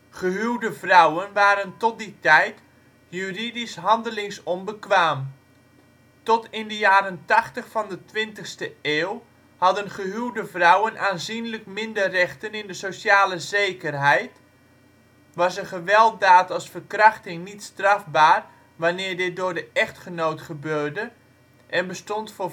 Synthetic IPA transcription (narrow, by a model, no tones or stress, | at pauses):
χəɦywdəvrawənʋaːɾəntɔt̚ditɛjt | jyridisɦɑndəlɪŋsɔnbəkʋaːm | tɔtɪndəjaːɾəntɑχtəχfɑndətʋɪntəxstəeːw | hɑdənχəɦywdəvrʌwənʔaːnzinləkmɪndərɛχtənɪndəsosaːləzejkərɦɛjt | ʋɑsəχəʋɛlˠtdaːtɑlˠsfərkrɑχtɪŋnitstrafbaːr | ʋanɪːrdɪt̚dʊːrdəʔɛχtχənowtχəbøːrdə | ʔɛnbəstɔntfʊː